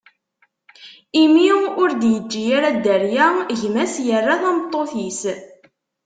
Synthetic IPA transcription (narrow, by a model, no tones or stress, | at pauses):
imiʊɾd̪jəd͡ʒːijaɾæd̪əɾjæʝmæsjərːaθæmət̪ˤːoθis